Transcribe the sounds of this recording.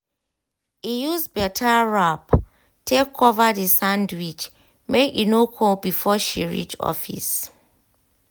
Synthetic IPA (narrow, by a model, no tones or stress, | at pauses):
ijuzsbɛtʰaɹap | tʰekʰːɔvadisãndwit͡ʃ | mekinokʰobifɔʃḭɹḭt͡ʃɔ̰fḭs